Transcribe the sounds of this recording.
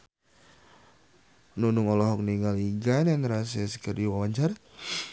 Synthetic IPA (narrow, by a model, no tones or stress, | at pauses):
nunuŋɔlɔɦɔk̚niŋaliɡanjanɾas̬ɛsə̥kərdiwawaɲt͡ʃar